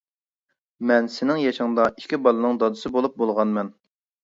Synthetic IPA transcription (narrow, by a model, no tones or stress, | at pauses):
mɛnsɪnɪŋjɑʃɨŋd̪ɑi̥ʃkʲibɑlˠɨnɨŋd̪ɑd̪ɨsɨbolˠup̚bolˠʁɑnmɛn